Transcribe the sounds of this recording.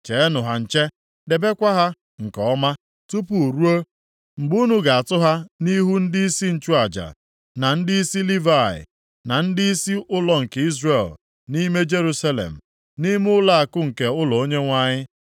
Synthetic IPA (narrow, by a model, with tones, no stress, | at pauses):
t͡ʃe˨e˦nʊ˨ɦa˨n̩˨t͡ʃe˦ | de˨be˦kʷa˦ɦa˦ | ŋ̩˨kɔ˦ma˦ | tu˦pu˨o˨ɾu˦o˦ | ŋ͡m̩˨ɡ͡bu˦nu˦ɡa˨a˨tʊ˦ɦa˦ni˦ɦu˦n̩˦dɪ˦i˦si˦n̩˨t͡ʃu˦a˨d͡ʒa̰˨ | na˨n̩˦dɪ˦i˦si˦li˦va˨ɪ̰˨ | na˨n̩˦dɪ˦i˦si˦ʔʊ˦lɔ˨ŋ̩˨ke˨i˦zre˨l | ni˦me˦d͡ʒe˦ɾu˦sa˦lḛ˨m̩˨ | ni˦m˦ʊ˦la˦a˨kʊ˦ŋ̩˨ke˨ʊ˦lɔ˨o˦ɲe˦ŋʷa˦ɲɪ˦